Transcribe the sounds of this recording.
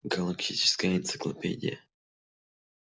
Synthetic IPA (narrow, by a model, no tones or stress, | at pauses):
ɡɐlˠɐkt̪ʲit͡ʃɪ̥skəjəɪnt̪sɨ̥klˠɐ̰pʲḛdʲɪ̰jə̰